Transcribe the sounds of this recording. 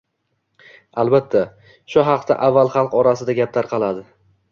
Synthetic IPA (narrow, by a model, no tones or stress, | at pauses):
alˠbat̪ʰːa | ʃʊɦɑq̚t̪ʰa̰ʔavːalˠχɑlˠqɒɾasɪd̪aɡʲap̚t̪aɾqʰɑlˠad̪ɪ